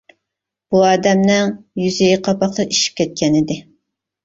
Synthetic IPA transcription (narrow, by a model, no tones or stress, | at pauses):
b̥uɑːd̪ɛmnɪŋjyzɪjiqʰɑpɑqt̪ɑʔiʃi̥p̚kʲʰɛt̪̚kʲʰɛnɪd̪ɪ